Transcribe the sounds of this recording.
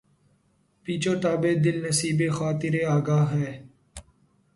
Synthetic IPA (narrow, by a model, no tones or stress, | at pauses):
piːt͡ʃoːʈaːbeːd̪ɪlnəsiːbeːxaːt̪ɪɾeːaːɡaːɦɦɛː